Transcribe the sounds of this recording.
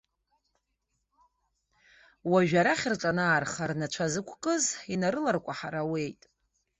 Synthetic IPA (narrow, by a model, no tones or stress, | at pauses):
waʒᶣaɾaχʲɪrʈ͡ʂʼanaːrχarnat͡ʃʷʰazɨkʷʰqʼɨzinaɾɨlarkʷʼaħaɾawe̞jtʼ